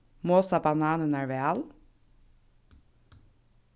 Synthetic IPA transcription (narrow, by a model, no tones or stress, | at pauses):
moːsɑbɑnɑːnənæɹʋeɑːl